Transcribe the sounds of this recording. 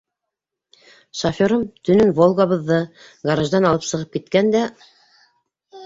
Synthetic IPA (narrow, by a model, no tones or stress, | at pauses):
ʃɐfʲoɾomt̪ɵ̆nɵnvolˠɡaβɤ̆ðːɤ | ɡaɾaʒd̪ɑnɑlˠɤpsɤ̆ʁɤp̚kit̪kænd̪æ